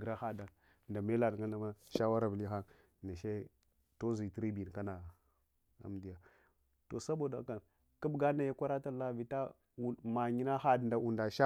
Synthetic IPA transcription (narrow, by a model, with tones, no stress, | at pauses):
ɡɾa˦xa˦da˨ | nda˨me˦la˨dŋɡa˦na˨ma˦ʃa˦wa˦ɾa˨bli˦xa˦ŋ | na˨ʃe˦ | to˦zi˨tɾi˦bi˨n˨ka˦na˨ | a̰˨mdi˦ja˨ | to˨sa˦bo˨da̰˨˦ka˨n | ka˦bɡa˦na˨ja˦kʷa˦ɾa˦ta˦la˦vi˨˦ta˦ | u˨ma˨ɲi˦na˦xa˦dnda˨u˨nda˨ʃa˦